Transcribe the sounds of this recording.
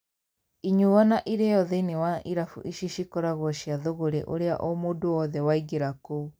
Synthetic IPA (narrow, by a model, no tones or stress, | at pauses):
iɲuwanaʔiɾejɔðɛinewaʔiɾafṵʔiʃiʃikɔɾaɣwɔʃiaðoɣoɾḛʔoɾea̰ʔɔmoːdoɔðɛwaiɡeɾako